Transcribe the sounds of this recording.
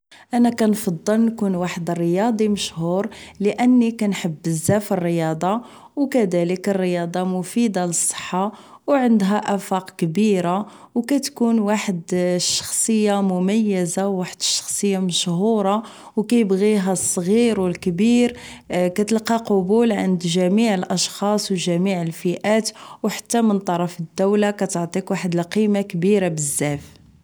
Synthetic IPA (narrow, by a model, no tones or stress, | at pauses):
ʔænækænfɑd̪ˤːəlnkunwaħəd̪ərːəjɑd̪ˤiməʃhuɾləʔənːikænħəbːəzːæfirːəjɑd̪ˤɑ | wkæd̪æləkərːəjɑd̪ˤɑmʊfid̪ɑləsˤːə̥ħːa | wʕənd̪ɦæʔæfɑqkbiɾa | wkæt̪kunwaħəd̪ʃːɑ̥xsˤəjːamʊmæjːəzawːaħəd̪əʃːɑ̥xsˤəjːaməʃhuɾˤɑ | wkæjəbɣiɦæsˤːɣiɾwəlkbiɾ | kæt̪əlqiqobulʕə̰nd̪ʒæmiʕəlʔɑʃxɑsˤwʒæmiʕəlfiʔæt̪wħḁt̪ːæmənt̪ˤɑɾˤɑfəd̪ːæwlakæt̪əʕt̪ˤikwaħəd̪əlqimakbiɾabəzːæf